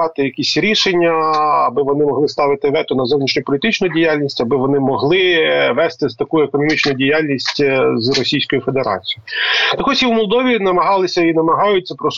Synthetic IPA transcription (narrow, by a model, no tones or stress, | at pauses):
ɑt̪ɪjɐkʲisʲɾʲiʃenʲːɐɐbɪʋɔnɪmɔɦ̪ˠɪst̪ɑʋɪt̪ɪʋɛt̪ʊnɐzɔwnʲiʃnʲʊpɔlʲit̪ɪt͡ʃnʊjdʲijalʲnʲisʲtʲɐbɪʋɔnɪmɔɦlˠɪʋɛst̪ɪzt̪ɐkujʊekɔnɔmʲit͡ʃnʊjʊdʲijalʲnʲisʲtʲzrɔsʲijsʲkɔjʊfe̞d̪eɾɑ̰t͡sʲijʊt̪ɐkɔsʲiwmɔlˠd̪ɔʋʲinɐmɐɦɑlˠɪsʲɐinɐmɐɦɑjʊtʲt͡sʲːɐpɾɔs